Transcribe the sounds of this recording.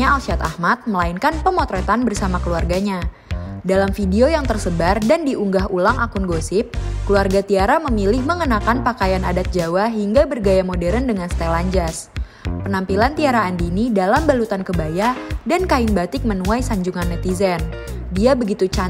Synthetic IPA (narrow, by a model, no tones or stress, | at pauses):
aalsiat̪a̰hmat̪̚məlainkanpəmɔt̪ɾɛt̪anbərsamakəluarɡaɲa | dalamfideojaŋt̪ərsəbardandiʔuŋɡaɦulaŋʔakunɡosɪp̚kəluarɡat̪iaɾaməmilɪhməŋənakanpakajanadat̪̚d͡ʒawaɦiŋɡabərɡajamodɛɾəndəŋanst̪elaɲd͡ʒas | pənampilant̪iaɾaːndinidalambalut̪ankəbajadankaɪnbat̪ɪk̚mənuajsaɲd͡ʒuŋanːɛt̪izɛn | diabəɡit̪ut͡ʃa